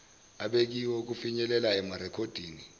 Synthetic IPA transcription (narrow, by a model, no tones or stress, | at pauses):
aɓek̬iwɔk̬ufiɲɛlɛlaɛmarɛkʰod̥ʱiːni